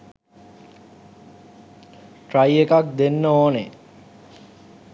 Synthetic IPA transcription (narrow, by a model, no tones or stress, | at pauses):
ʈrajekak̚d̪enːəoːne